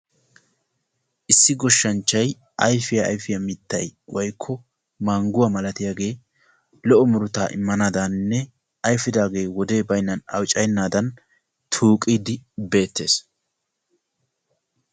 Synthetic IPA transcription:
ʔɪsːɪɡɔʃːɐnt͡ʃːɐj | ʔɐjfɪjɐ̰ːjfɪjɐmɪt̪ːɐjwɔjkʰːɔ | maːŋɡʊwamɐlɐt̪ɪjaːɡe̞ː | lɔʔɔmʊɾʊt̪aːʔɪ̰mːɐnaːd̪ɐnːɛ | ʔɐjfɪd̪aːɡe̞ːwɔd̪e̞ːbɐjnːɐnɐ̰wt͡ʃʼɐjnːaːd̪ɐn | t̪ʰuːkʼiːd̪ɪbe̞ːt̪ːe̞ːs

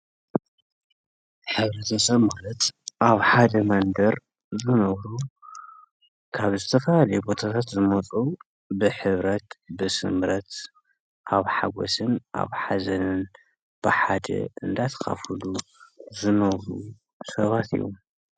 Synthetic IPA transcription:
ħɨβɾɐt̪ʰɐsɐβmalɐt̪ʔaβħad̪ɐmɐnd̪ɐɾ | zɨnɐβɾu | kʰaβzɨt̪ʰɐfɐlalɐjubo̞t̪ʰat̪ʰat̪zɨmɐt͡sʼu | bɨħɨβɾɐt̪bɨsɨ̰mɾɐt̪ | ʔaβħaɡo̰sɨnʔa̰βħazɐnɨn | b̥ɨħad̪ɐ̰ɨ̰nd̪at̪ʰɐ̥ka̰fɨluzɨnɐβɾu | sɐβat̪ḭjo̰m

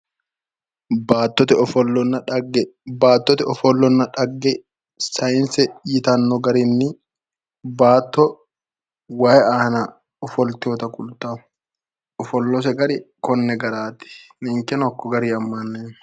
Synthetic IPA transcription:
baːt̪ːɔt̪ɛɔfɔlːɔnːɐᶑɐɡɛbaːt̪ːɔt̪ɛɔfɔlːɔnːɐᶑɐɡːɛ | sɐjɪnsɛjɪt̪ɐnːɔɡɐɾɪnːɪ | baːt̪ːɔ | waːjɛaːnɐ | ɔfɔlt̪oːt̪ɐkʼʊlt̪aːʊ | ɔfɔlːɔs̬ɛɡɐɾɪkɔnːɛɡɐɾaːt̪ɪ̥nɪŋkɛnɔkːɔɡɐɾiːɐmːɐnːeːn

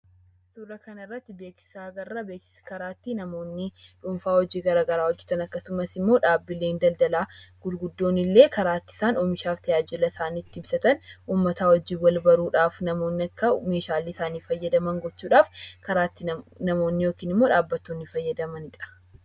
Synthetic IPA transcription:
suːrɐkɐnɐɪrːɐt̪ːɪbe̞ːksɪ̥saːɡɐrːɐbeːksɪ̥sɐ̥kɐɾaːt̪ːiːnɐmo̞ːnːɪᶑʊmfaːwɔd͡ʒiːɡɐɾaːɡɐɾaːwɔd͡ʒːɛt̪ɐnɐkːɐsʊmɐsɪmːoːᶑaːbːɪleːnd̪ɐld̪ɐlaːɡ̥ʊd̪ɡʊd̪ːo̞ːnɪlːe̞ːkɐɾaːt̪ːɪ̥saːnoːmɪʃaːft̪ʰɐjaːd͡ʒɪlɐsaːniːt̪ːɪɪbsɐt̪ɐnuːmːɐt̪aːwɔd͡ʒiːwɐlbɐɾuːᶑaːfnɐmoːnːɐkːɐme̞ːʃaːlisaːniːfɐjːɐd̪ɐmɐŋɡɔt͡ʃːuːᶑaːfkɐɾaːt̪ːinɐmoːnːɪjo̞ːkiːnɪmːo̞ːᶑaːbːɐt̪ːonːɪfɐjːɐd̪ɐmɐnɪᶑɐ̥

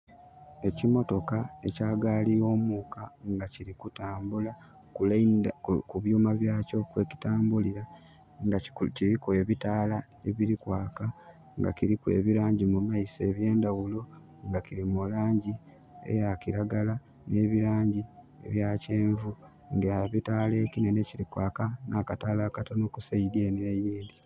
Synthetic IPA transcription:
e̞cimo̞to̞kae̞caːɡaːlio̞ːmukaŋɡaciɾikutaːmbula | kul | kuβjuːmaβjaːco̞kwe̞ːci̥taːmbuliɾa | ŋɡaciɾikoeβitaːla | e̞βiɾikwaːka | ŋɡa̰kiɾikwe̞̰ːβiɾaːɲɟimumaise̞ːβje̞ːndawulo̞ | ŋɡakiɾimulaːɲɟi | ḛjakiɾaɡala | neβiɾaːɲɟi | ḛβjace̞ːɱvu | ŋɡeaβitaːle̞ːkinene̞ciɾikwaːkanʔaːkataːlakatonokusaidjenejiːndi

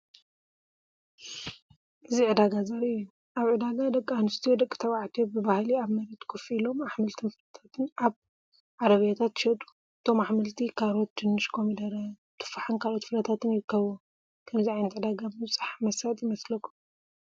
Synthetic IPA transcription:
ʔɨziʕɨd̪aɡazɐɾɨju | ʔaβʕɨd̪aɡad̪ɐkʼːanɨst̪ʰijod̪ɐkʼːi̥t̪ʰɐwaʕt̪ʰobɨbahliaβmɐɾet̪kʰufilo̞maħmɨlt̪ʰɨnfɨɾɐt̪ʰat̪ʰɨnaβ | ʕaɾɐβjat̪ʰat̪ʃɐt̪ʼu̥ | ɨt̪ʰo̞maħmɨlt̪ʰikʰalot̪̚t͡ʃɨnːɨʃkʰomid̪ɐɾa | t̪ʰɨ̥fːaħɨnkʰalot̪fɨɾɐt̪ʰat̪ʰɨnjɪkʰːɐβo | kʰɐmziʕajnɐt̪ʕɨd̪aɡabɨmɨβt͡sʼaħmɐsat̪ʼjɪmɐslɐkʰːu̥

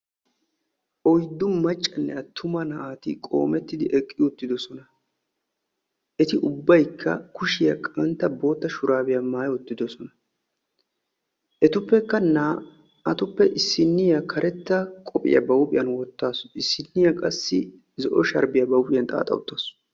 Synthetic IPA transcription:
ʔɔjd̪ːʊmɐt͡ʃʼːɐnːɛ̰ɐt̪ʰːʊmɐnɐʔaːt̪ɪ̰kʼo̞̰ːmɛt̪ːɪd̪ɪʔɛkʼːɪjʊt̪ːɪd̪ɔsɔnɐ | ʔɛt̪ɪʔʊbːɐjkʰːɐ̰kʊʃɪjɐkʼɐnt̪ːɐbo̞ːt̪ːɐʃʊɾaːbɪjɐmaːjʊt̪ːɪd̪ɔsɔnɐ | ʔɛt̪ʊpːɛkːɐna | ɐt̪ʊpːɛʔɪsːɪnːɪjɐkʰɐɾʔɛt̪ːɐkʼɔpʼɪ̰jɐ̰bɐwʊpʼɪjɐnwɔt̪ːaːsɪsːɪnːɪjɐkʼɐsːɪ | zɔʔɔʃɐɾbɪjɐbɐwʊpʼɪjɐnt̪ʼa̰ːt̪ʼɐ̰wʊ̰t̪ːaːs

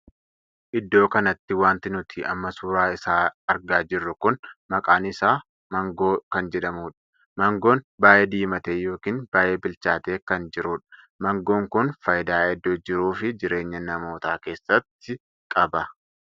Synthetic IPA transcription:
ʔɪd̪ːo̞ːkɐnɐt̪ːɪwaːnt̪ɪnʊt̪ʰɪʔɐ̰mːɐsuːɾaːɪsaːɐɾɡaːd͡ʒɪrːʊkʊnmɐkʼaːnɪsaː | mɐŋɡoːkɐnd͡ʒɛᶑɐmuːᶑɐ̥ | mɐŋɡo̞ːnbaːjeːd̪iːmɐt̪eːjo̞ːkiːnbaːje̞ːbɪlt͡ʃaːt̪e̞ːkɐnd͡ʒɪɾuːᶑɐ̥ | mɐŋɡo̞ːŋkʊnfɐjd̪aːɛd̪ːoːd͡ʒɪɾuːfɪd͡ʒɪɾe̞ːɲːɐnɐmo̞ːt̪aːke̞ːsːɐt̪ːɪ | kʼɐbɐ

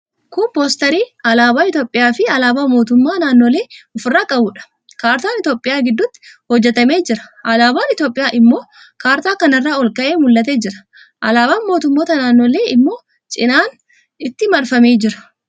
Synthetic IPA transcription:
kʊpo̞ːst̪ɐɾiːɐlaːbaːɪt̪jo̞ːpʼːɪjaːfɪɐlaːbaːmo̞ːt̪ʊmːaːnaːnːoːle̞ːɔfʊrːaːkʼɐbuːᶑɐ̥ | kaːɾt̪aːnɪt̪jo̞ːpʼːɪjaːɡɪd̪ːʊt̪ːɪ̥hɔd͡ʒːɛt̪ɐme̞ːd͡ʒɪɾɐ̥ʔɐlaːbaːnɪt̪joːpʼɪjaːʔɪmːo̞ː | kaːɾt̪aːkɐnɐrːaːɔlkɐʔeːmʊlːɐt̪e̞ːd͡ʒɪɾɐ̥ | ʔɐlaːbaːnmo̞ːt̪ʊmːoːt̪ɐnaːnːo̞ːle̞ːɪmːo̞ː | t͡ʃʼɪnaːn | ɪt̪ːɪmɐɾfɐme̞ːd͡ʒɪɾɐ̥

